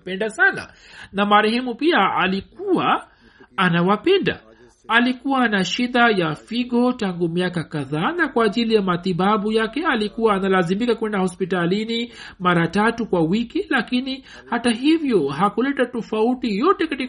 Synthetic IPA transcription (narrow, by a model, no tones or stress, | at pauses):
pɛndasana̰ | namaɾɛhɛmupiaalikuwaː | nawapɛnda̰ | alikuwanaʃiɗajafiɠɔtaŋɡumiakakaðaːnakwaːʄilijamat̪iɓaɓujakɛalikuwaːnalazimikakwɛndahɔspitalinimaɾatatukwawikilakini | hataɦivjɔɦakulɛtatɔfautijɔtɛkati